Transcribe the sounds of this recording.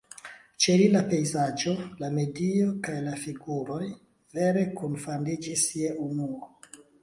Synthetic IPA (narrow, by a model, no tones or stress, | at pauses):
t͡ʃelilape̞jzad͡ʒo̞lame̞diokajlafiɡuɾo̞j | ve̞ɾe̞kunfandid͡ʒisieʔunuo